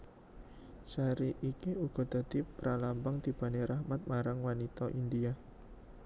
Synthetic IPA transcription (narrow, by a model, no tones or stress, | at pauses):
saɾiʔːkiuɡ̥ɔ̤d̪̥a̤d̪̥ipəɾalambaŋt̪ib̥a̤neɾahmat̪̚maɾaŋwanit̪ɔʔindia